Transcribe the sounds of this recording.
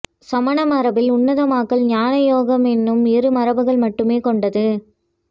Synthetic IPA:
sɐmɐɳɐmɐɾɐbɪlʊnːɐðɐmaːkɐɭɲaːnɐjoːɣɐmɛnːɯmɪɾɯmɐɾɐbɯɣɐɭmɐʈːɯmeːkɔɳɖɐðɯ

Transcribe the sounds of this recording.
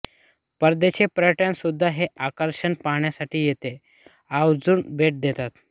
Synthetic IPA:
pəɾd̪eɕepɾʈjãnsud̪ʱːaɦeʔakəɾɕəɳpaɦɳjasaʈiːjet̪e | aʋd͡zuːnbʱeʈ̚d̪et̪at̪

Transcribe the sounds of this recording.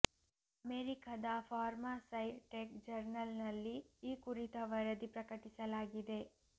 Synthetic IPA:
ɐmeɾikɐd̪ɐfʰaːɾmasɐjʈek̚d͡ʒɐɾnɐlnɐlːiːkuɾit̪ɐʋɐɾɐd̪ipɾɐkɐʈisɐlaːɡid̪e̞

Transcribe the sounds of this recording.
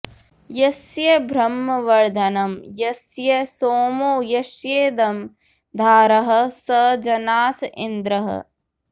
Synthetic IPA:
jɐsjɐbʱɾɐmːɐʋɐɾd̪ʱɐnɐmjɐsjɐsoːmoːjɐʃjeːd̪ɐm | d̪ʱaːɾɐɦɐ̆sɐd͡ʒɐnaːsɪnd̪ɾɐɦɐ̰

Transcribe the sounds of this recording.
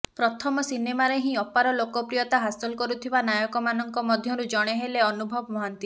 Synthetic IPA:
pɾɔt̪ʰɔmɔsinemaɾeɦĩɔpaɾɔlokɔpɾijɔt̪aɦasɔlɔkɔɾut̪ʰibanajɔkɔmanɔŋkɔmɔd̪ʱjɔɾud͡ʒɔɽ̃eɦeleɔnubʱɔbɔmɔɦant̪i

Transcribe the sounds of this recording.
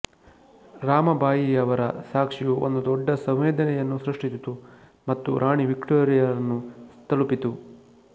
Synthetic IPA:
ɾaːmɐbʱaːjijɐʋɐɾɐsaːkʂijuʔond̪ud̪ɔɖːɐsɐ̃ʋʋeːd̪ɐnɛjɐnːusɾɐʂʈisit̪u | mɐt̪ːṵɾʔaːɳiʋikʈoːɾijɐɾɐnːust̪ʰɐɭupit̪u

